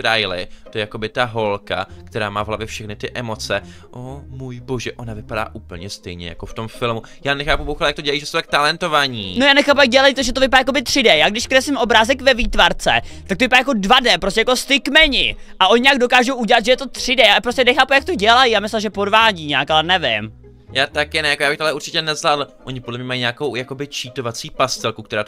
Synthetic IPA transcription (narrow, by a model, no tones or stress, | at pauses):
ɾajlɪ̰t̪ojɛjako̞bɪt̪aɦo̞lka̰kt̪ɛɾa̰ːmaːvɦlavjɛfʃɛxnɪt̪ɪʔɛmo̞t͡sɛ | ʔomujboʒɛʔo̞navɪpada̰ːʔuːpl̩ɲɛst̪ɛjɲɛ̰ja̰koft̪o̞mfɪlmu | jaːnɛxaːpubowxalajak̚t̪oɛlajiːʒɛsuwt̪ak̚t̪alɛnt̪ovaɲiːnojaːnɛxaːp̬ujak̚ɟɛlajpt̪ʒɛt̪̬oɪpaɾaːjakobɪt̪r̥ɪdɛjaːɡdɪʃkɾɛsɪmʔo̞bɾaːzɛkvɛviːt̪vaɾt͡sɛ̰t̪ak̚t̪ovɪpaɾajako̞dvadɛpɾos̬cʲɛjako̞st̪ɪkmɛɲɪ̰ | ʔaʔo̞ɲɪɲaːɡdo̞kaːʒowʔuɟɛlat̪ʒɛjɛt̪o̞t̪r̝̥ɪdɛjaːpɾo̞scɛnɛxaːpujak̚t̪oɟɛlajijaːmɪslɛʒɛpo̞dvaːɟiːɲaːkalɛnɛvɪ̰m | jaːt̪akjɛnɛjakojaːbɪxt̪oalɛʔuɾrt͡ʃɪcɛnɛzlaːdl̩ʔoɲɪpodlɛmɲɛmajiɲaːko̞wjako̞bɪt͡ʃiːt̪ovat͡siːpast̪ɛlkuk̚t̪ɛɾaːt̪